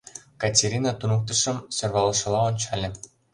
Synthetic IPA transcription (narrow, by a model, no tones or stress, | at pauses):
kɑtʲeɾʲinɑt̪unɤk̚t̪ə̆ʃɤ̆msørβɑlɤ̆ʃɤ̆lɑont͡ɕɑlʲĕ